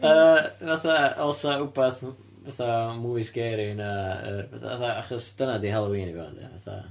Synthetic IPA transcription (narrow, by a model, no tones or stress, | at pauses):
əːvaθaɔlˠsaubaθ | vaθamujsɡ̥ɛɾinaə̰rvaθa̰vaθaaχɔsd̥ənadihalˠowiːnivɛa̰ndḭva̰θa̰